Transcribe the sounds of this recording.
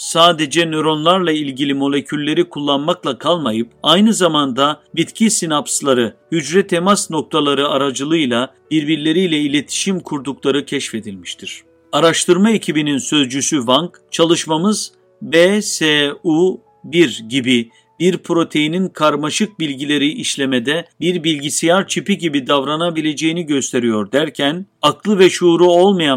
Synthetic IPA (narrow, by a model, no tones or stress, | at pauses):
saːd̪e̞d͡ʒɛnøɾo̞nlˠaɾlˠailʲɟilʲimo̞lʲe̞cʰylʲːe̞ɾikʰulˠːanmaklˠakʰalˠmajɯp̚ajnɯzamand̪abit̪cʰisinapslˠaɾɯhyd͡ʒɾɛt̪ʰemasno̞k̚t̪ʰalˠaɾɯaɾad͡ʒɯlˠɯjlˠa | b̥iɾbiɾlʲe̞ɾijlʲɛilʲe̞t̪ʰi̥ʃimkʰuɾd̪uklˠaɾɯcʰɛʃfe̞d̪ilʲmiʃt̪ʰiɾ̥ | aɾaʃt̪ʰɯɾmae̞cʰibininsø̞zd͡ʒysyvaŋk | t͡ʃʰalˠɯʃmamɯz | beseu | biɾɟibi | biɾpʰɾo̞t̪ʰe̞jininkʰaɾmaʃɯk̚bilʲɟilʲe̞ɾiʔiʃlʲe̞med̪ɛbiɾbilʲɟisijaɾt͡ʃʰipiɟibid̪avɾanabilʲe̞d͡ʒe̞jiniɟø̞st̪ʰe̞ɾijo̞ɾd̪æɾcʰænaklˠɯvɛʃuɾuo̞lˠmaja